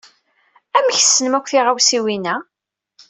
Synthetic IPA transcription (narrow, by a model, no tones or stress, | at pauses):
æmçsːənəmækʷːθiʁawsiwinæ